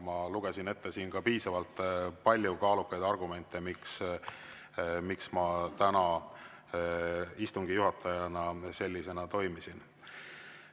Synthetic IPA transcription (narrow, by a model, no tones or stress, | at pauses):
mɑluɡ̥esine̞t̪ːe̞siːnɡ̥ɑpiːsɑvɑlt̪ːˑpɑlʲːjukɑːlukːɑjd̪ɑrɡ̥ume̞nt̪ːˑe̞miks | miksmɑt̪ænɑ | ist̪uŋɡ̥ijuɦɑt̪ʰːˑɑjɑnɑse̞lʲːise̞nɑt̪o̞jmisin